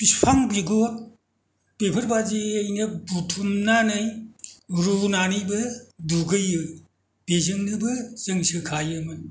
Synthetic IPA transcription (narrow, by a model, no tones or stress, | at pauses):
pispʰaŋbiɡo | pepʰɯɾbad͡ʒiejnɐbutʰumnanɯj | ɾunanɯjbɯduɡɯjɯ | b̥ezɯŋnɯbɯzɯŋsɯkʰajɯmɯ